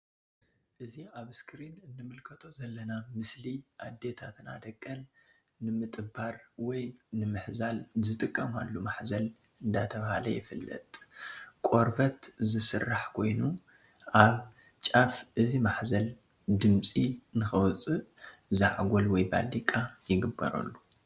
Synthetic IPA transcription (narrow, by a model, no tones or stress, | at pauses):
ʔɨziaβɨskʰɾinɨnːɨmɨlkʰɐt̪ʰo̞zɐlːɐnamɨsliʔad̪e̞t̪ʰat̪na̰d̪ɐkʼːɐnː | ɨmɨt̪ʼɨbaɾwɔjnɨmɨħzalzɨt̪ʼɨkʼːɐma̰lːumaħzɐl | ɨnd̪at̪ʰɐβahalɐ̰jɪfɨlːɐ̰t̪ʼkʼo̞ɾfɐt̪zɨsɨrːaħkʰo̞jnu | ʔaβ | t͡ʃʼafʔɨzimaħzɐl | d̪ɨmt͡sʼinɨxɐwt͡sʼɨʔzaʕɡʷolwɔjba̰lːikʼajɪɡɨbːɐ̰ɾɐ̰lːu